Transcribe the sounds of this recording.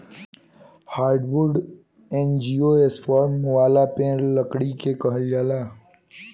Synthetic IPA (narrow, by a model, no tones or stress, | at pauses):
haːɾɖʋʊɾɖ | ẽːnd͡ʒiːoeːsfɔːɾmːʊʋaːlapẽːɾləkɽikekəɦəljaːlaː